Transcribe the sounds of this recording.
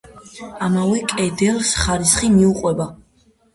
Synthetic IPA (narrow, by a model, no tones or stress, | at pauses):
amavɛkʼɛd̪ɛlˠsχaɾisχimiuqʼwɛba